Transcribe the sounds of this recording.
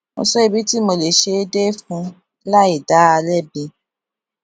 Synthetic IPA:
mo̰˧sɔ˦i˧bi˦ti˦mo˧le˨ʃe˧˦de˦fũ˧ | la˦i˦˨da˨˦a˧lɛ˦˨bĩ˧

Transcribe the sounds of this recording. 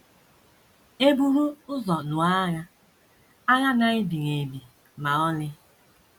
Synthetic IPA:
e˦bu˦ɾu˦ʊ˦zɔ˨nʊ˨a˦ɣa˦ | a˦ɣa˦na˦ɪ˦bi˨ŋe˨bi˨ | ma˨ɔ˦lɪ˦

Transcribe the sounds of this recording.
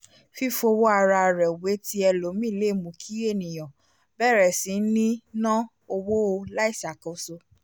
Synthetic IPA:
fi˦fo˧wo˦a˧ɾa˧˨ɾɛ˨we˨˦ti˦ɛ˧lo˨˦mĩ˦˨le˨˦˨mũ˨kʰi˨˦e˦˨nĩ˨j̃ɔ̃˨ | bɛ˦˨ɾɛ˨sĩ˨˦nĩ˦nã˦ | o˧wo˦o˧la˦i˦˨sa˨kõ˨˦so˧

